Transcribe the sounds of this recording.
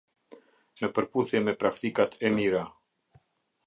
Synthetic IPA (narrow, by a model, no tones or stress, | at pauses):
nəpəɾpuθjɛmɛpɾakt̪ikat̪ɛmiɾa